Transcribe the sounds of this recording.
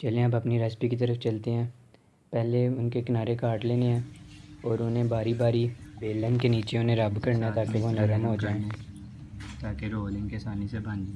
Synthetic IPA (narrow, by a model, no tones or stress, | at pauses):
t͡ʃɐlẽɐbɐpniɾɛːspikit̪̬əɾəft͡ʃɐlt̪eɦɛ̃ː | pɛɦleʊnkekɪnaːɾekaːɾʈleːneɦɛ̃ːɔːɾʊnɦẽbaːɾibaːɾibeːlːə̃nkeniːt͡ʃeʊnẽɾɐbkəɾnaɦɛ̃t̪aːkeʋonəɾəmɦod͡ʒaːẽe | t̪aːkeɾoːlɪ̃ŋɡkesaːnisebɐ̃nd͡ʒ